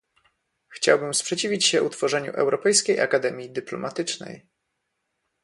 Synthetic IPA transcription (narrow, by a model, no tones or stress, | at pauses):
xt͡ɕawbɘmspʂɛt͡ɕivʲit͡ɕɕɛʔut̪fɔʐɛɲṵʔɛ̰wɾɔpɛjskʲejʔakad̪ɛmʲjid̪ɘplɔ̰mʔat̪ɘt͡ʂnɛ̰j